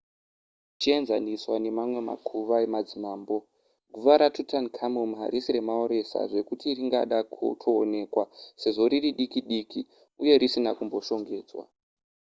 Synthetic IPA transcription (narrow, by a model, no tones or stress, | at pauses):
t͡ʃie̞nzaniswane̞mamwe̞ma̰kʰuʋaemad͡zimaːmbo̞ | ɡʱuʋaɾatutankʰamumɦa̰ɾisiɾe̞mao̞ɾe̞sa̰ʐe̞kutiriŋɡa̰ɗakutʰo̞ːne̞ːkwase̞ʐo̞ɾiriɗikiɗiki | uje̞ɾisinakumbo̞ʃo̞ŋɡe̞ːd͡zwa̰